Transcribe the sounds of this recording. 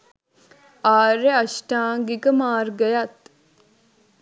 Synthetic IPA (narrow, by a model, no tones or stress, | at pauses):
aːɾeɐʃʈaːŋɡikəmaːrɡəjat̪